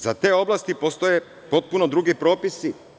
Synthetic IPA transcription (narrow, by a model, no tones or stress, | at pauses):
zat̪e̞ːo̞blˠast̪ipost̪oje | po̞t̪̚punod̪ɾuɡipɾo̞ːpisi